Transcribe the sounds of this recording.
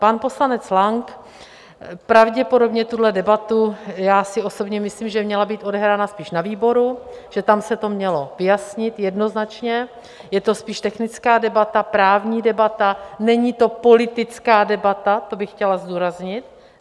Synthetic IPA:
panpo̞slanɛt͡slaŋk | pɾavɟɛpo̞do̞bɲɛt̪udlɛdɛbat̪ujaːsɪʔo̞so̞bɲɛmɪsliːmʒɛmɲɛlabiːt̪ʔo̞dɛɦɾaːnaspiːʃnaviːbo̞ɾuʒ̥ɛt̪amsɛt̪o̞mɲɛlo̞vɪjasɲɪt̪jɛdno̞znat͡ʃɲɛ | jɛt̪o̞spiːʃt̪ɛxnɪt͡skaːdɛbat̪apɾaːvɲiːdɛbat̪anɛɲit̪o̞po̞lɪt̪ɪt͡skaːdɛbat̪at̪o̞bɪxcɛlazduːɾazɲɪt̪̚

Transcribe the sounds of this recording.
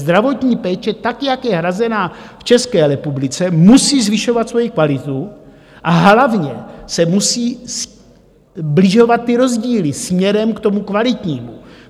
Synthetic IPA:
zd̪ɾavo̞t̪ɲiːpɛːt͡ʃɛt̪akjakjɛɦɾazɛnaːft͡ʃɛskɛːɾɛpublɪt͡sɛmusiːzvɪʃo̞vat̪svo̞jikvalɪt̪u | ʔaɦlavɲɛsɛmusiːs | blɪʒo̞vat̪̚ːɪɾo̞zɟiːlɪsmɲɛɾɛmkt̪o̞mukvalɪt̪ɲiːmu

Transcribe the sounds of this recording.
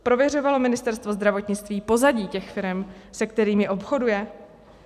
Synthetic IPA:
pɾo̞vjɛr̝o̞valo̞mɪnɪst̪ɛɾst̪vo̞zd̪ɾavo̞t̪ɲɪt͡st̪viːpo̞zaɟiːcɛxfɪɾɛmsɛkt̪ɛɾiːmjɛʔo̞pxo̞dujɛ

